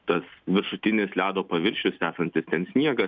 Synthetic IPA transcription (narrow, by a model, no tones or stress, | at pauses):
t̪ɐsʋʲɪɾʃʊt̪ʲɪnʲɪslʲæːd̪oːpɐʋʲɪɾʲʃʲʊsæːsɐnʲt̪ʲɪst̪ʲɛnsʲnʲiɛɡɐ